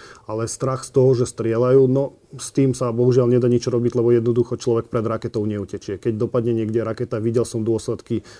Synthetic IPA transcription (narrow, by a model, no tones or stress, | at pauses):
alɛst̪ɾaxst̪ɔɦɔʒɛst̪ɾɪɛlajuːnɔ | st̪iːmsabɔɦuʒɪalɲɛd̪aɲit͡ʃɔɾɔbiɟlɛbɔjɛd̪nɔd̪uxɔt͡ʃlɔʋɛk̚pɾɛd̪ɾakɛt̪ɔʊɲɛucɛt͡ʃɪɛkɛɟ̚d̪ɔpad̪ɲɛɲɪɛɡɟɛɾakɛt̪aʋiɟɛlsɔmd̪ʊɔslɛt̪ki